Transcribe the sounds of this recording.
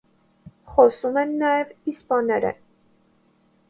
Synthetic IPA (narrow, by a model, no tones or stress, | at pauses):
χɔsumɛnːɑjɛvispɑnɛɾə̰